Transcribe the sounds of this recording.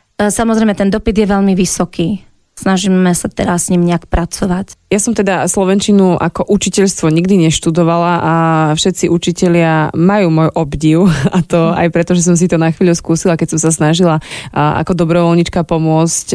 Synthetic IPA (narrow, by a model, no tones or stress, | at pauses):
samɔzɾɛjmɛt̪ɛnd̪ɔpid̪jɛʋɛʎmiʋisɔkiː | snaʒiːmɛsat̪ɛ̰ɾasɲimɲɛakpɾat͡sɔʋacjasɔmt̪ɛd̪aslɔʋɛnt͡ʃinuʔakɔʔut͡ʃicɛʎst̪ʋɔɲiɡ̚d̪iɲɛʃt̪ud̪ɔʋalaʔafʃɛt̪siʔut͡ʃicɛʎɪamajuːmɔjʔɔbɟiʊat̪ɔa̰jpɾɛt̪ɔʒɛs̬ɔms̬it̪ɔnaxʋiːʎuskuːsilakɛcsɔmsasnaʒilaʔa̰kɔd̪ɔbɾɔʋɔlɲit͡ʃkapɔmʊɔt͡sc